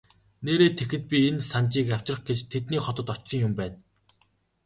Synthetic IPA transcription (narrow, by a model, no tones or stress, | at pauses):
neːɾeːt̪ʰexɘ̆t̪̚pʲiensant͡ɕiːkaw̥ʲt͡ɕrə̆χɡet͡ɕt̪ʰet̪niːχɔt̪ɞ̆t̪ɔt͡ɕsɞ̆ŋjʊmpæːn